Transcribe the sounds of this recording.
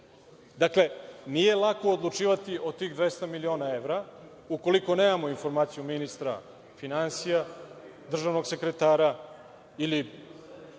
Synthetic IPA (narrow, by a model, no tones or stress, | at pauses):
d̪akle̞nije̞lˠako̞ːd̪lˠut͡ʃiːʋat̪iʔo̞t̪iːɣd̪ʋest̪amilio̞ːnaevɾa | uko̞liko̞neːmamo̞info̞ɾmaːt̪sijuminist̪ɾa̰ | finansijad̪r̩ʒaʋno̞ɡse̞kɾet̪aːɾa | ili